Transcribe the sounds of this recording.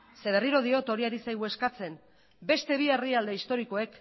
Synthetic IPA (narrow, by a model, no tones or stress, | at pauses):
se̞β̞e̞riɾo̞ð̞io̞t̪o̞ɾiaɾisajɣ̞ue̞skat͡se̞n | be̞st̪e̞β̞ieriald̪eist̪o̞ɾiko̞e̞k